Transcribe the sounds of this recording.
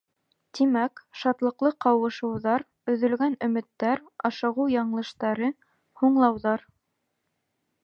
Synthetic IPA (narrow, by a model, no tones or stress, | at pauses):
t̪imækʃɑt̪lˠɤ̆qlˠɤqɑwɤ̆ʃɤ̆wðɑɾ | ɵ̆ðɵ̆lɡænɵ̆mɘ̆t̪ːæɾɑʃɤ̆ʁɤjɑɴlˠɤ̆ʃt̪ɑɾɤ | huɴlˠɑwðɑɾ